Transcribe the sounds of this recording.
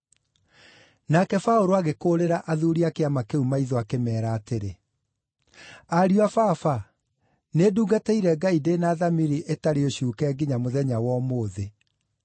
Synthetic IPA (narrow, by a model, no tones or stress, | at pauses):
nakɛfaoɾoaɣekoɾeɾaʔaðuɾiakeamakeumaiðɔakemɛːɾaːteɾe | aɾiwafafa | neduːɡateiɾɛɡaidenaðamiɾiʔetaɾeoɕuːkɛːɡiɲamoðɛɲawɔmoːðe